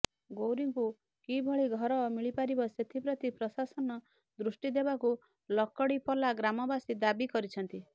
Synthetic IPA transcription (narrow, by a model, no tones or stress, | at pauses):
ɡowɾiŋku | kibʱɔɭiɡʱɔɾɔmiɭipaɾibɔset̪ʰipɾɔt̪ipɾɔsasɔnɔ | d̪ɾusʈid̪ebaku | lɔkɔɽipɔlaɡɾamɔbasid̪abikɔɾit͡ʃʰɔnt̪i